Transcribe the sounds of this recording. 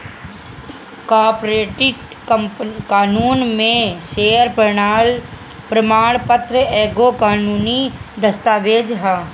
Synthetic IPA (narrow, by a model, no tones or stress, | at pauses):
kaːɾpɾeːʈɪʈ | kəmpkaːnuːnmẽʃeːəɾpəɾɳaːl | pɾəmaːɽ̃pət̪ɾəɛːɡokaːnuːnid̪ɐst̪aːʋeːd͡ʒɦaː